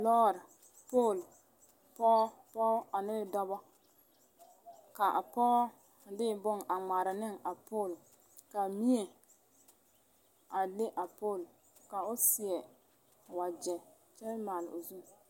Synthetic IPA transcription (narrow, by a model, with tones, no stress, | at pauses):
lɔː˦˨ɾɪ˨ | poː˦˨l | pɔ˦pɔ˦a˨nɪ˦˨dɔ˦bɔ˦ | ka˨ʔa̰˨pɔː˦˨ | dɪ˦˨bʊ˦ŋʔa˨ŋ͡ma˨ɾɪ˨nɪ˦˨ŋa˨po˦˨l | ka˨mi˦e˨ | a˨lɪ˦ʔa˨poː˦˨l | ka˨ʊ˦sɪ˨ɛ˨ | wa˨d͡ʒɛ˨ | t͡ʃɛ˦n˦maː˨l̰ʊ̰˨zu˦m